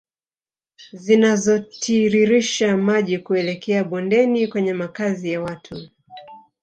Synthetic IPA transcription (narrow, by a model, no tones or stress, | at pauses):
zinazɔtʰiɾiɾiʃamaʄikuɛlɛkɛaɓɔndɛnikwɛɲɛmakazijawatʰu